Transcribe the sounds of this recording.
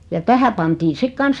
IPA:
jɑ tæhæ pɑntiː sik kɑns

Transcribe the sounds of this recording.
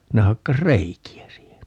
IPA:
ne hɑkːɑs reikiæ siːhen

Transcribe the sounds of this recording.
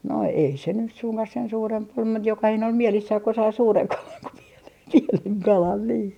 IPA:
no ei se nys suŋkɑh sen suːremp ol mut jokɑhine ol mielisːæh ko sɑi suːreŋ kɑlɑn ko pienen pieneŋ kɑlɑn niː

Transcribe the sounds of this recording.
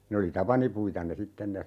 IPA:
ne oli tɑpɑnipuitɑ ne sitːen ne

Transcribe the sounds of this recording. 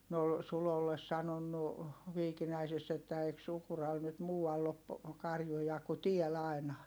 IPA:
ne ol sulolːes sɑnonːu ʋiːkinæisesː etːæ eik sukurɑl nyt muːɑlː op kɑrjujɑ ku tiæl ɑi̯nɑ

